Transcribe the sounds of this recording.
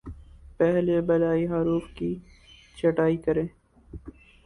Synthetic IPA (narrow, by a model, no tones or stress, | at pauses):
pɛɦlebɐlaːiɦaɾuːfki | t͡ʃɐʈaːikɐɾẽː